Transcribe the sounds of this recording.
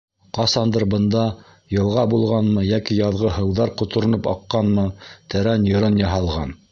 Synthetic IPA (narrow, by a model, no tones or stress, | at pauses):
qɑsɑnd̪ɤɾbɤ̆nd̪ɑ | jɤ̆lˠʁɑbulˠʁɑnmɤjækijɑðʁɤɦɤ̆wðɑɾqŏt̪ŏɾɤ̆nɤpɑ̰qːɑnmɤt̪æɾænjŏɾɤnjɑɦɑlˠʁɑ̰n